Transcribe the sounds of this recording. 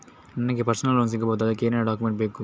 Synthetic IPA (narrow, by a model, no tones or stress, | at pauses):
nɐnɐɡepɐɾsɐnɐloːns̬iɡːɐboːt̪ɐd̪ɐkːeːneːnɐɖaːkːumeɳʈ̚beːku